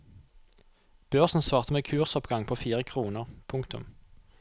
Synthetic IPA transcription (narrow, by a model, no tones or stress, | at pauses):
b̥øːʁsn̩sʋɑːʁt̪əmeːkʰʉːʁsɔpɡɑŋpʰoːfiːʁəkʰʁuːnəʁpʰʊŋkt̪ʊ̰m